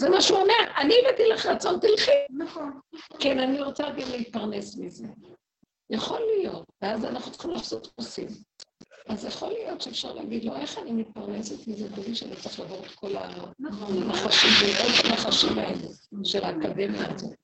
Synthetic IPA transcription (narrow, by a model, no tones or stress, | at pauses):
zemaʃuoneʔanilet̪ilaχʁat͡so̞nt̪ilχinaχonkenaniʁot͡saɡamleit̪̚paʁne̞smize̞ | jaχo̞lijo̞t̪veazanaχnut͡se̥χimulaːfsot̪pusḭmʔazjaχo̞lijo̞t̪ʃeefʃa̰ʁleaɡid̪lo̞ʔe̞χanimit̪̚paʁne̞set̪mizetoviʃeanit͡sʁiχlavoʁet̪ko̞la̰nneχaʃimeʔotaneχaʃimaeluʃelaːkademjaːzo̞̰